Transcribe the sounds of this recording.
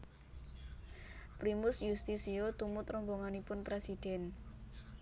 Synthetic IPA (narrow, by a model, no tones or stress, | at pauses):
pɾimʊsjust̪isiot̪umʊt̪ɾɔmboŋanipʊnpɾesid̪̥ɛn